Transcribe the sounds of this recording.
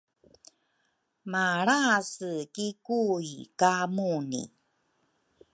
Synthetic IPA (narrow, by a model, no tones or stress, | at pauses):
maɾasɨkikuikamunḭ